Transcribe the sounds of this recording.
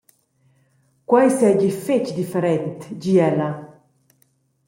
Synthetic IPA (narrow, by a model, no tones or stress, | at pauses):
kwajsɛɟifet͡ʃd̪ifeɾɛnt̪d͡ʒiɛla